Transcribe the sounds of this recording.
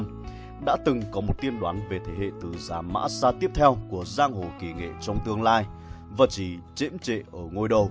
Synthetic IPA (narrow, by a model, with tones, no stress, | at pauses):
ɗa̰ː˧˥t̪ɨ˨˩ŋkɔ˨˦mo˨˩t̚t̪i˧ənɗwa̰ː˨˦nve˨˩t̪ʰe˨˦ɦḛ˧˨t̪ɨ˨˩zaː˨˦ma̰ː˧˥saː˧t̪i˦˥əp̚t̪ʰɛ˧wku˧˩əzaː˧ŋho˨˩ki˧˨˩ŋḛ˧˨t͡ɕɔ˧wŋ͡mt̪ɨ˧əŋlaː˧j | vaː˨˩t͡ɕi˨˩˦t͡ɕḭ˧˥mt͡ɕḛ˧˨ʔəː˧˩ŋo˧jɗə˨˩w